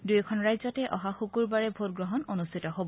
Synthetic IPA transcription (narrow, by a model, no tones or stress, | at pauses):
dujɛkʰɔnɹajzɔtɛʔɔɦaxukuɹbaɹɛbʱotɡɹɔɦɔnonustʰitɔɦobɔ